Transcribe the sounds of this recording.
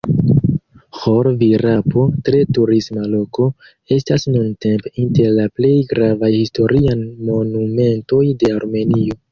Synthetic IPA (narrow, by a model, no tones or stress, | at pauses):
xoɾviɾapo̞tɾe̞tuɾismalo̞ko̞ | e̞stasnunte̞mpeinte̞ɾlaple̞jɡɾavajhisto̞ɾianmo̞nume̞nto̞jde̞aɾme̞nio̞